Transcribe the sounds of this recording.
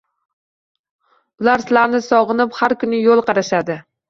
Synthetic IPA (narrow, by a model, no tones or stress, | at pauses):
ʊlaɾsɪlaɾnɪsɒʁɨnɪphaɾkʊnɪjolˠqʰɑɾaʃad̪ɪ